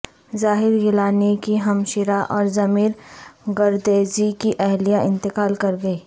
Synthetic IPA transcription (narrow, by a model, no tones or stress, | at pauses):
zaːɦɪɾɡɪlaːnekiɦɐmʃɪɾaʔɔːɾzɐmiːɾɡɐɾd̪eːd͡ʒikiʔɛɦlijaʔɪ̃nt̪ɪkaːlkɐɾɡɐiː